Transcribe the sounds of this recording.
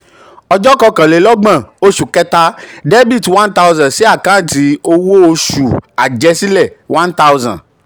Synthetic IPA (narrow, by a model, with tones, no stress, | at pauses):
ɔ˨d͡ʒɔ˦kɔ˦kɛ̃˨le˨lɔ˦ɡ͡bɛ̃˨wo˦ʃu˨kɛ˦t̪a˦ɖe˦bi˦˨twã˦nt̪a˦wzã˨nsi˦a˨kã˦nt̪i˨o˦wo˦wo˦ʃu˨a̰˨d͡ʒɛ˦si˦lɛ˦˨wã˦nt̪a˦wzã̰˨n